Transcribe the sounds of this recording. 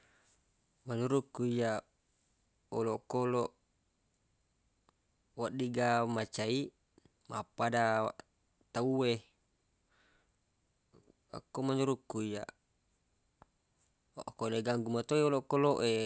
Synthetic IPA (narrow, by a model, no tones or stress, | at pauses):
maɲuɾukːuija | olokoloʔ | waʔdiɡamat͡ʃai | mapadaa̰ʔ | t̪aue | a̰kːomaɲuɾukːuija̰ | ʔkoleɡaŋɡumat̪oioloʔkoloʔe